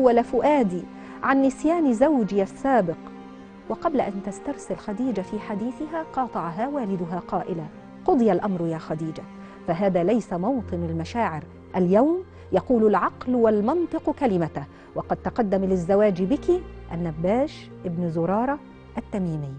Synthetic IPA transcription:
wːalafʊʔaːd̪iː | ʕanːɪsjaːnzawd͡ʒɪasːaːbɪq | wɑqɑblaʔant̪ast̪ɑɾˤsɪlxad̪iːd͡ʒafiːħad̪iːθɪɦaːqɑːt̪ˤɑʕɦaːwaːlɪd̪ʊɦaːqɑːʔɪla | qʊd̪ˤɨjalʔamɾjaːxad̪iːd͡ʒa | faɦaːðaːlajsamɑwt̪ˤɨnalmaʃaːʕɪɾ | ʔaljawm | jɑquːlʊlʕɑqlwalmɑnt̪ˤɨqkalɪmat̪a | wɑqɑd̪̚t̪ɑqɑd̪ːamlɪzːawaːd͡ʒbɪkɪʔanːabːaːʃ | ʔɪbnzʊɾˤɑːɾˤɑ | ʔat̪ːamiːmɪː

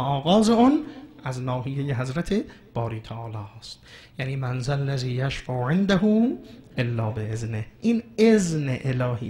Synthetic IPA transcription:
ɒːɣɒːzeuːnʔæznɒːɦijejeɦæzɾæt̪ʰe̞ | b̥ɒːɾiːt̪ʰæʔɒːlɒːst̪̚janiːmænzalːæziːjaʃfæʔʕend̪æhuːʔelːɒːbeʔeznehʔiːnezneʔelɒːhḭː

